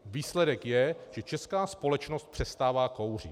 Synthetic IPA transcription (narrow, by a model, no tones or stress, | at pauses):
viːslɛdɛkjɛʒ̥ɛt͡ʃɛskaːspo̞lɛt͡ʃnost̪̚pr̝̥ɛst̪aːvaːko̞wrḭ